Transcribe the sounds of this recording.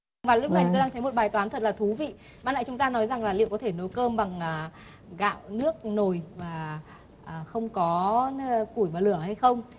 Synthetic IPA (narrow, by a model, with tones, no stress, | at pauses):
vaː˨˩lʊ˦˥k͡p̚na˨˩jt̪o˧ɗaː˧ŋt̪ə˨˦mo˨˩t̚ɓaː˨˩jt̪waː˨˦nt̪ʰə˨˩t̚laː˨˩t̪ʰu˨˦vḭ˧˨ | ɓaː˧˨nla̰˧˨˩t͡ɕʊ˨˦ŋ͡mt̪aː˧nɔ˨˦jza˨˩ŋlaː˨˩lḭ˧˨wkɔ˨˦t̪ʰe˧˩no˨˦jkəː˧mɓa˨˩ŋː˨˩ | ɣa̰ː˧˨wnɨ˦˥ək̚no˨˩jvaː˨˩ | ʔːxə˧wŋ͡mkɔ˨˦˧ku˧˩jvaː˨˩lɨ˧˩əha˧jxə˧wŋ͡m